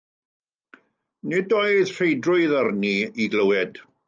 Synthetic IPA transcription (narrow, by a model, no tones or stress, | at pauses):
nidoːɨð̥r̥ejdrʊɨðərniiɡləwɛd̥